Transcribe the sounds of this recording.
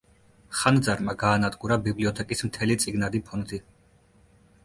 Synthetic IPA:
χand̪zaɾmaɡaːnad̪ʼɡʼuɾabibliɔt̪ʰɛkʼismt̪ʰɛlit̪sʼiɡnad̪ipʰɔnd̪i

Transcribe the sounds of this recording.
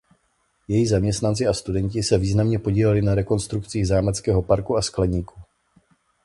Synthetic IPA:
jɛjiɣzamɲɛst̪nant͡sɪast̪udɛɲcɪsɛviːznamɲɛpo̞ɟiːlɛlɪnaɾɛko̞nst̪ɾukt͡siːɣzaːmɛt͡skɛːɦo̞paɾkuasklɛɲiːku

